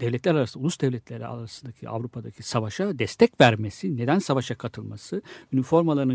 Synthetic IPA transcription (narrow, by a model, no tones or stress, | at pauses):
d̪̥ɛvlʲɛt̪lʲɛɾaɾasɯnaulˠusd̪ɛvlʲɛt̪ʰlʲeɾḭa̰ɾasɯnd̪acʰiʔa̰vɾupʰad̪acʰisavaʃad̪ɛst̪ʰɛcvæɾme̞sine̞d̪ænsavaʃakʰat̪ʰɯlˠmasɯynifo̞ɾmalˠaɾɯn